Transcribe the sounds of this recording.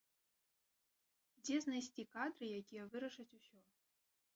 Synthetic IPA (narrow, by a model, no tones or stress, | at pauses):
d͡zʲɛznajsʲt͡sʲikad̪ɾɨjakʲijɛvɨɾɐʂɐt͡sʲusʲɔ